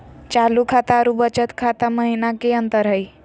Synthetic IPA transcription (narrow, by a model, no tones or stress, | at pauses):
t͡ʃalukʰat̪aɾubət͡ʃət̪kʰat̪aməɦinakeənt̪əɾɦəj